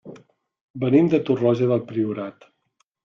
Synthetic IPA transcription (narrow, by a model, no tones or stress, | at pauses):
bənimd̪ət̪urɔʒəðəlˠpɾiuɾat̪